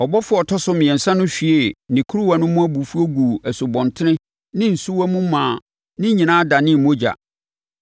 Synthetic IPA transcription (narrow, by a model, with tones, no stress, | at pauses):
ɔ˨bɔ˦fʊ˦ɔ˨tʰɔ˦sʊ˦mɪ̃˨ɛ̃˨n̩˨sã˦nʊ̃˦fi˨e˦˨nɪ̃˨kʰu˦u˦wa˨˦nʊ̃˦mʊ̃˦æ˦bu˨fu˦o˦ɡu˨æ˨su˨bɔ̃˨ntʰɪ˦nɪ̃˦ | nɪ̃˦n̩˨su˦wa˦mũ˦mãː˨ | nɪ̃˦ɲĩ˨nãː˦da˨nɪ̃˦˨mõ˦d͡ʑa̰˨